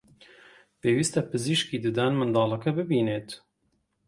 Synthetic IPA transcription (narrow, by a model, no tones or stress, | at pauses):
peːwiːst̪ɛpɨziʃkiːd̪ɨd̪aːnmɨnd̪ɑːlɐkɛbɨbiːneːt̪